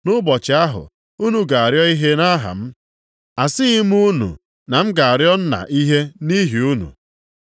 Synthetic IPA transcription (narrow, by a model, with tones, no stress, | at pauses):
nʊ˦bɔ˨t͡ʃɪ˨a˦ɦʊ̰˨ | u˦nu˨ɡa˨a˨ɾjɔ˦i˦ɦe˦na˦ɦa̰˨m̩˦ | a˨sɪ˦i˦m˦u˦nṵ˨ | na˨m̩˦ɡa˨a˨ɾjɔ˦n̩˦na̰˨ʔi˦ɦe˦ni˦ɦi˨u˦nṵ˨